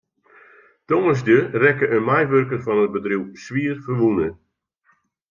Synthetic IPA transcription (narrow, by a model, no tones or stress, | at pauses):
toŋəs̬dərɛkəʔənmajʋørkərfɔnəd̚bədruwsʋiərfərʋunə